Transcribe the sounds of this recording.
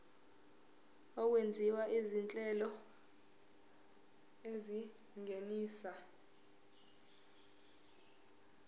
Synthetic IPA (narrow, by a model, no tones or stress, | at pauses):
ɔk̬wend͡zʱiwaʔizint͡ɬʼɛlɔ | ezi | ŋeniːsa